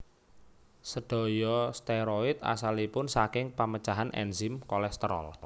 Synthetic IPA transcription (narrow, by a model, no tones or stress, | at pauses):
səɖ̥ɔ̤jɔst̪eɾoɪt̪̚a̰salipʊnsakɪŋpamə̥t͡ʃaɦanʔɛ̰nzɪmkɔlɛst̪əɾɔ̰l